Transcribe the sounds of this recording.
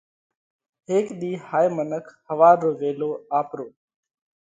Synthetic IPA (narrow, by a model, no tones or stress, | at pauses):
ɦeːkɗ̪iːhaːjmənəkʰhəʋaːɾːoːʋeːloːaːpɾoː